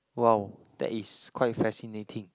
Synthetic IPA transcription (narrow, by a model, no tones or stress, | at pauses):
wɛld̥ɛ̰tiskʰwajtfɛsinetʰĩŋ